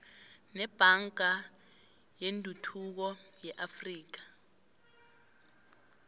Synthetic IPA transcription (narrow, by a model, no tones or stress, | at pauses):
nɛb̥ʱaŋɡʱa | jendʱutʰuk̬ɔjɛʔafriːk̬ḁ